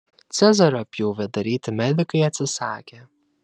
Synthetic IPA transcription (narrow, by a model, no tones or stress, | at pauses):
t̪sʲɛzɐɾɐɐpʲjuʊʋʲɛd̪ɐɾʲiːt̪ʲɪmʲæd̪ʲɪkɐɪɐt̪ʲsʲɪsɑːkʲe